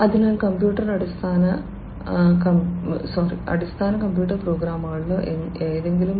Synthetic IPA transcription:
ɐd̪inɐkɐmpjuːʈɐɾɐɽust̪ʰaːnɐ | kɐsoːɾḭɐ̰ɽust̪ʰaːnɐkɐmpjuːʈɐɾpɾoːɡɾaːmaːɭːueeːd̪eŋɡilum

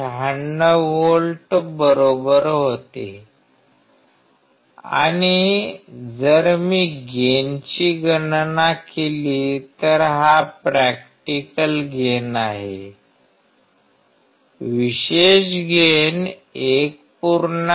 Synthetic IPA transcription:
aɳːəʋolʈbəɾobəɾɦot̪ḛ | a̰ɽ̃i | d͡zəɾmiːɡent͡ɕiːɡənnakelit̪əɾɦapɾæk̚ʈikəlɡʱenaɦḛ | ʋiɕeɕɡʱen | ek̚ | puɾn

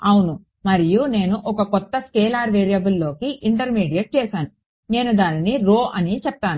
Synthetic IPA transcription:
ɐwunu | mɐɾijune̞ːnuʔɔkɐkɔt̪ːɐskɛːlaːɾʋeːɾijɐbulːo̞ːkiʔiɳʈɐɾmiːɖijɐʈ̚t͡ʃɛːsaːnu | ne̞ːnud̪aːniniɾo̞ːʔɐnit͡ʃɛp̚t̪aːnu

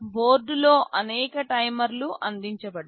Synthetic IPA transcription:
bo̞ːɾɖulo̞ːʔʔɐnɛːkɐʈɐjmɐɾluʔɐnd̪iɲt͡ʃɐbɐɽ

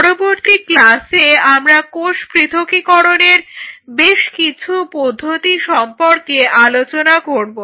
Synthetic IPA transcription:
ɔɾoboɾt̪iklaseamɾakoʃpɾit̪ʰokikɔɾoneɾbeʃkit͡ɕʰupod̪ʱːot̪iʃɔmpoɾkeʔalot͡ɕonakoɾbo

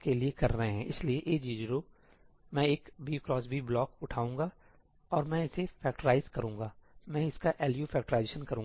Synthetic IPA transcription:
keliekɐɾːɐɦeɦɛ̃ːʔɪslieʔeːd͡ʒiːd͡ʒɾo | mɛ̃eːkbiokɾɔːsbʱiblɔːkʊʈʰaːũːŋɡa | ɔːɾmɛ̃ɪsefɛːk̚ʈəɾaːɪzkɐɾũːŋ̆ɡaːmɛ̃ɪskaʔɛːljuːfɛːk̚ʈəɾaːɪzeːʃənkɐɾũːŋ

